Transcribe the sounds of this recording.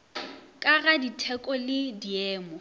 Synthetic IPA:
kʼaɣaditʰɛkʼɔlɪdiɛːmɔ

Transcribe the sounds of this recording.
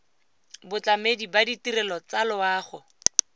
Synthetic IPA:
bʊt͡ɬamedibaditirɛlɔt͡salʊaːχʊ

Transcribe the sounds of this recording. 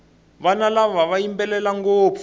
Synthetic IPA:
βanalaβaβajimbɛlɛlaŋɡoːfu

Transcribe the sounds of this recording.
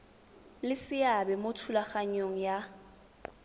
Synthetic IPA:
lɪsɪjabɛmotʰulaχaɲoŋ̩ja

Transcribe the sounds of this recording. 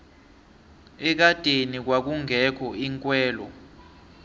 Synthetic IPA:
ɛk̬ad̥ʱʼenik̬wak̬uŋʱɛkʰɔiŋkʼwɛːlɔ̰

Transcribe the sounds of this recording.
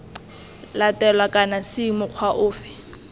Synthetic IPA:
latʼɛlwakʼanasɪmʊq͡χʰwaʔʊːfɪ̥

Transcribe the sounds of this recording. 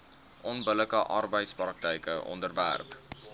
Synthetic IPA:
ʔɔnbələkəʔɑrbəjtsprɑk̚təjkəʔɔ̰ndərvæ̰rp

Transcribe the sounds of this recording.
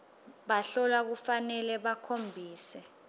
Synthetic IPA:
ɓaɬɔlak̬ufanɛlɛɓakʰombʱiːsɛ

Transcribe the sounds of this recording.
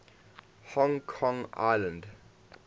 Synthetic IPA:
hɔ̃ŋkʰɔ̃ŋa̰ɪlə̃nd

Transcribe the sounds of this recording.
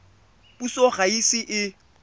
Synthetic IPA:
pusoχaisɪʔɪ

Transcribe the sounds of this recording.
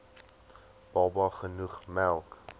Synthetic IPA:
b̥ɑbɑχənuχmælˠk

